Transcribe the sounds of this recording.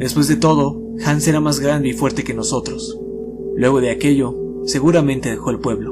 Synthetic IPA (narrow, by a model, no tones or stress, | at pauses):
d̪e̞spwe̞zðe̞t̪o̞ð̞o̞ | xanse̞ɾamazɣɾand̪e̞ifwe̞ɾt̪e̞ke̞no̞so̞t̪ɾo̞s | lwe̞ɣ̞o̞ðe̞ake̞ʝo̞ | se̞ɣuɾamẽnt̪e̞ðexo̞elpwe̞βlo̞